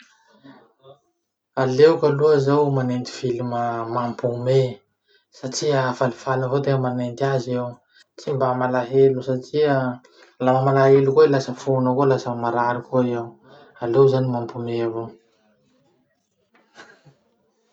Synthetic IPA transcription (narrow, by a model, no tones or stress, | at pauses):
alewkaluəzawmanent̪i̥filiməmampume | saʈ͡ʂiavalifalavot̪eŋəmanent̪iazew | t͡simbamalaɦelusaʈ͡ʂiə | lamamalaɦelukoilasəfunəkolasəmaɾaɾikoizaw | alewzanimampumeavo